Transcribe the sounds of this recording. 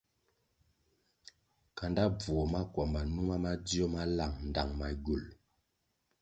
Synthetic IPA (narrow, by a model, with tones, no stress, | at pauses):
ka˨nda˦b͡vu˨o˨ma˦kwa˨mba˨nu˦ma˦ma˦d͡zi˦ɔ˦ma˦la˨ŋn̩˨da˨ŋma˨ɡu˨l